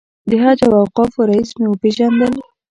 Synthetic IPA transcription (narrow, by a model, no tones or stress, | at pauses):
d̪əɦɑd͡ʒawawqɑfoɾaismewəpeʒand̪əl